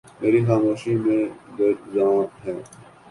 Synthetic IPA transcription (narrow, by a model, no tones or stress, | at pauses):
meːɾixaːmoːʃimẽɡɐɾzãːɦɛː